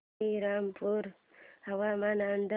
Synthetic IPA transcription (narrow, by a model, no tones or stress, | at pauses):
iɾampʰuɾ | hawamanand̪